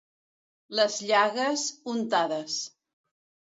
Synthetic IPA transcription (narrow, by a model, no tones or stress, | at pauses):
ləzʎaɣəsunt̪aðəs